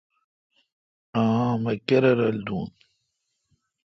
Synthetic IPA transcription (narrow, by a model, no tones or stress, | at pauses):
ãːmɐkɐɾɐɾɐld̪uːn